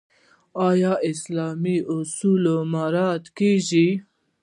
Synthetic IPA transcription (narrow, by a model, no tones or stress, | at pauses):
ɑːjɑːʔɪslɑːmiʊsulomaɾɑt̪keʒi